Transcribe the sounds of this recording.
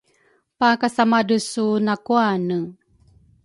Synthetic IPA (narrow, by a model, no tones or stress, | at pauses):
pakasamadəsunakuanə